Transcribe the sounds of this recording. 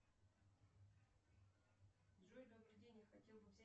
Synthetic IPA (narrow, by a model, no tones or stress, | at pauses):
ʐoɾʲd̪əbɾʲɪdʲenʲɪjəxɐtʲelˠbɨvzʲæ